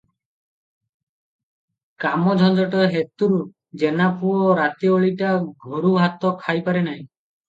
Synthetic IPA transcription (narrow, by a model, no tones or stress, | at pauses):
kamɔd͡ʒʱɔd͡ʒɔʈɔɦet̪uɾu | d͡ʒenapuɔɾat̪ioɭiʈaɡʱoɾuɦat̪ɔkʰajpaɾenaɦĩ